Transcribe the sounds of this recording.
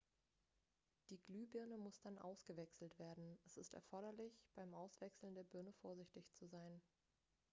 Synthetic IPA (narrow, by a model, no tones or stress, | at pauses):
d̥iːɡlyːbɪɐnəmʊsd̥anʔa̰ʊsɡ̥əvɛksl̩tv̥eːɐdn̩ʔɛsɪstɛ̰ɐfɔɐɾɐlɪçb̥aɪmʔaʊsv̥ɛksl̩ndeːɐbʏɐnəfoːɐzɪçtɪçt͡suzaɪn